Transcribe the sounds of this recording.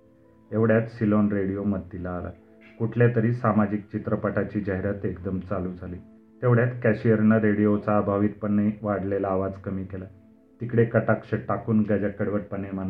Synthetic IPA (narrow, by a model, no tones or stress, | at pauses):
eʋɽjat̪silonɾeɽijoməd̪̚t̪ːilaːla̰ | kuʈʰljat̪əɾiːsamad͡ʑik̚t͡ɕit̪ɾəpaʈat͡ɕiːd͡ʑaɦɾat̪ekd̪əmt͡saluːd͡zʱaliː | t̪eʋɽjat̪kæɕijəɾnəɾeɽijot͡saːbʱaʋiːt̪̚pəɳiʋaɽlelaːʋad͡zkəmiːkela | t̪ikɽekəʈakʂəʈakuːnɡad͡ʑəkːəɽʋəʈ̚pəneman